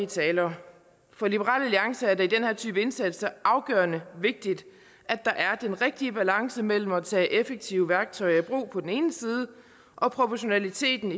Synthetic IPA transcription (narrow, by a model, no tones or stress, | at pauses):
t͡sʰɛːlɐː | fɒ̽libəʁɑ̰ːlæliɑ̈ŋsɐæɐd̥ɑ̈id̥enheɐ̰t͡sʰy̰ːb̥əe̝nsæd̥sɐʔɑ̈ʊɡ̥œːɐnəʋe̝ɡ̥̚d̥id̥ | ʔæd̥ɑ̈ʔæɐd̥enʁeɡ̥̚d̥iəb̥ælɑ̈ŋsəmel̰m̩æt͡sʰɛ̰ːʔefeɡ̥̚t͡sʰiʊəʋæɐɡ̥̚t͡sʰɒ̽ɪɐæb̥ʁṵːpʰɒ̽d̥ene̝ːnəsiːð̞ˠə | ʔɒ̽pʰʁo̝pʰɒɕo̝nælit͡sʰe̝̰ːd̥n̩